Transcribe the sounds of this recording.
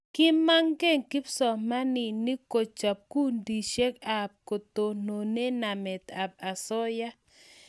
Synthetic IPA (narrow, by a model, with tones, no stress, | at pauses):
kɪ˦ma˦ŋɡe˦˨ŋkɪ˦psɔ˨ma˦nɪ˨ni˦ko˨t͡ʃa˨p̚ku˦ndi˨ʃe˦ka˨p̚ko˨t̪o˨no˨ne˦na˨mɛ˨t̪a˨p̚a˨sɔ˦ja˦